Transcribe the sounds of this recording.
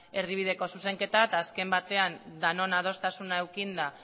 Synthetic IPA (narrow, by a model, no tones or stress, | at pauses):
e̞riβ̞iðe̞ko̞suse̞ŋke̞t̪at̪aːske̞mbat̪e̞and̪ano̞nað̞o̞st̪asunaewkind̪a